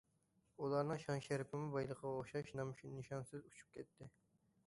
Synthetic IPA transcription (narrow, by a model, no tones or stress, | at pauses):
ulˠɑɾnɨŋʃɑŋʃæɾɪpʰɪmubɑjlˠəqʰɑoʃɑʃnɑmʃnɨʃɑnsɨzut͡ʃʰu̥p̚kʲʰɛt̪ʰːɪ